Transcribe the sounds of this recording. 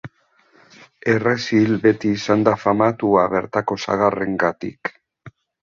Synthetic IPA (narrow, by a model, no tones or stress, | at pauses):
e̞re̞silbe̞t̪iːsand̪afamat̪uaβe̞ɾt̪ako̞sa̰ɣare̞ŋɡat̪ḭk